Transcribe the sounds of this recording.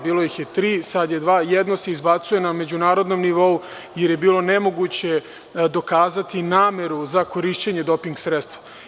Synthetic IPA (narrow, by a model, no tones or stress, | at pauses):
biːlˠo̞jixjet̪ɾiːsad̪je̞d̪ʋaːjed̪no̞se̞izbat̪suje̞name̞d͡ʑunaːɾod̪no̞mniʋo̞u | jeɾje̞biːlˠo̞ne̞mo̞ɡut͡ɕe̞ | d̪o̞kaːzat̪inaːme̞ɾuzako̞ɾiʃt͡ɕeɲe̞d̪o̞piŋɡsɾet̪st̪ʋa